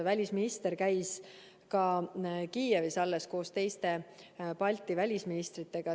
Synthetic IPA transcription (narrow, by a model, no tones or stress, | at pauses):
vælʲisminist̪e̞ɾkæjs | kɑkiːjevisɑlːe̞sko̞ːst̪e̞jst̪e̞pɑlʲt̪ːˑivælʲisminist̪rit̪ːˑe̞ɡ̥ɑ